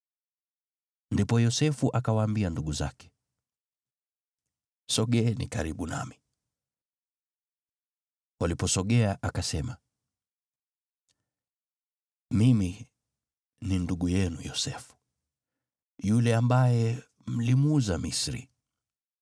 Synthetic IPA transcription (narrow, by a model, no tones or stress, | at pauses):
ndipɔjɔsɛfuʔakawaːmbianduɠuza̰kɛ̥ | sɔɠɛːnḭkaɾiɓuna̰mi | walipɔsɔɠɛaʔakasɛma | mimi | ninduɡujɛnujɔsɛfu̥ | julɛambajɛ | m̩limuzamisɾḭ